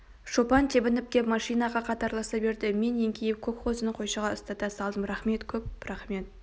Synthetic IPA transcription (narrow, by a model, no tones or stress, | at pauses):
ʃopɑnt̪ʰebɪnɪp̚t̪ʲemɑʃijnɑʁɑqʰɑt̪ɑɾlˠɑsɑbe̞ɾd̪ɪme̞nːeŋkʲʰejɪp̚kʲʰɵkχozənəɴqʰo̞jʃɑʁɑʊst̪ɑt̪ɑsɑlˠd̪əmɾɑχme̞t̪kʲʰɵp̚ɾɑχme̞t̪